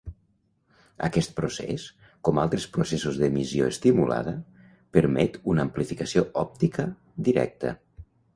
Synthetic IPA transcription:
ə̰kɛst̪̚pɾosḛs | kɔmalˠt̪ɾespɾusesuzðəmizioest̪imula̰ð̞ə | pəɾmɛt̪unəːmplifikəsioɔp̚t̪ikə | d̪iɾɛ̰k̚t̪ə̰

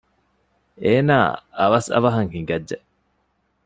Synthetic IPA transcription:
eːnaːɐʋɐsɐ̰ʋɐɦɐŋhiŋɡɐdd͡ʒe

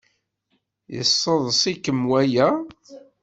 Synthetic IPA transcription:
jə̰sˤːəðˤsˤikəmwæjæ

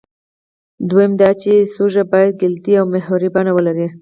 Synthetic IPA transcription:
d̪wejemd̪ɑt͡ʃesoʒabɑjad̪̚ɡɪlt̪iawmeɦaɾibɑnawəlaɾi

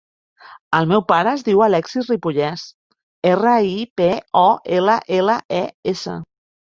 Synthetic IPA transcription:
əlˠmɛwpaɾəːzðiwəlɛksiripuʎɛs | erəipeɔeləʔeləʔɛesə̰

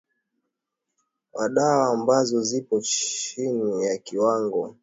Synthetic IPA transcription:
waɗaaːmbazɔzipɔt͡ʃinijakiwaŋɡɔ

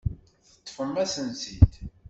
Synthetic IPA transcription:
θə̥t̪ːfəmːæsənsid̪

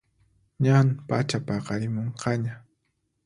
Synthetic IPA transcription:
ɲanpa̰t͡ʃapɑqɑɾɪmoɴqʰɑɲa

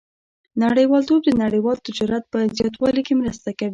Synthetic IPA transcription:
naɽəjwɑlt̪ob̚d̪ənaɽəjwɑlt̪ɪd͡ʒɑɾat̪̚pəzjɑt̪̬wɑlikemɾəst̪akawi

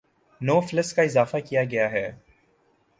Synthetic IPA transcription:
noːfɪləskaɪzaːfakijaɡɐjaɦɛː

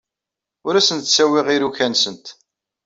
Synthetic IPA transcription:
ʊɾæsənt̪sæwɪʁiɾuçænsənt̪

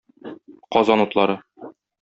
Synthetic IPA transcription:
qɒzɑnut̪lˠɑɾɤ

